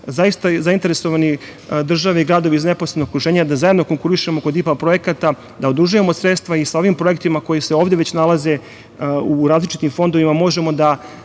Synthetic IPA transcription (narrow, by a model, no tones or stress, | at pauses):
zaist̪azaint̪e̞ɾesoʋani | d̪r̩ʒaʋeiɡɾaːd̪oʋeizne̞poslenookɾuʒe̞ːɲad̪azajed̪no̞ko̞ŋkuɾiʃemo̞ko̞d̪ipapɾo̞je̞kat̪a | d̪ao̞d̪ɾuʒujemosɾe̞t̪st̪ʋaisao̞ʋimpɾo̞je̞kt̪imako̞jise̞oːʋd̪eʋet͡ɕnalˠaze̞ | uɾaːzlit͡ʃit̪imfo̞nd̪o̞ʋimamo̞ʒe̞mo̞d̪a